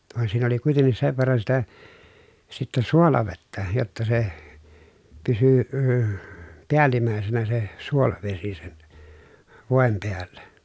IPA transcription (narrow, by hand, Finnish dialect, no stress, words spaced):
ʋɑˑen siːn oli kuitenˑis seʋ ʋerːɑn sitæ sitːɛ suolɑʋetːæ jotːɑ se pysy əː piælimæˑesenæ se suolɑʋesi sen ʋoˑem peælːæ